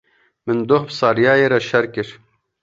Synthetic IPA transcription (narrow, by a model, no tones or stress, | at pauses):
mɨnd̪ohbsɑːɾjaːjeːɾɐʃɐɾkɪɾ